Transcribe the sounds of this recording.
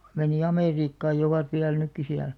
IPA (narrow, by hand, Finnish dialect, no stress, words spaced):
meniˑ ɑmeˑriːkːɑːj jɑ̆ oʋɑt ʋiæl nykːi siæl